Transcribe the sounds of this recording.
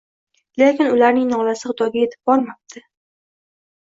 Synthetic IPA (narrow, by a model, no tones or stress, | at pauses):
lekʲɪnʊlaɾnɪŋnɒlasɪχʊd̪ɒɡʲaje̞t̪ʰɪb̚bɒlˠmap̚t̪ʰɪ